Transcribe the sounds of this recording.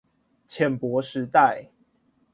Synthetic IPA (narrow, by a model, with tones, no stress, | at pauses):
t͡ɕʰjɛ˨˩npwɔ˨˦ʂɻ̩˨˦t̪a˥˨ɪ